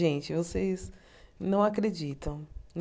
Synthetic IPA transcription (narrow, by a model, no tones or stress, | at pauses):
ʒẽnt͡ʃɪvosejz | nɐ̃w̃akɾed͡ʒit̪ɐ̃w̃n